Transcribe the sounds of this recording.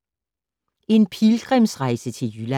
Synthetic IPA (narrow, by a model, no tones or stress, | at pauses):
e̝npʰilɡ̥ʁɛmsʁɑ̈ɪ̰sət͡sʰe̝ljylæ